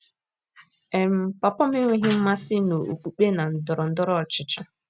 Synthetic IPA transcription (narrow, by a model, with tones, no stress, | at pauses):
e˨m̩˨pa˨pɔ˦m̩˦ɪ˦ŋʷe˦ɦɪ˦m̩˦ma˦sɪ˦no˨ɾo̰˨ṵ˨k͡pu˨k͡pe˦na˨n̩˨dʊ˨ɾʊ˨n̩˦dʊ˦ɾɔ˦˨t͡ʃɪ˨t͡ʃɔ˦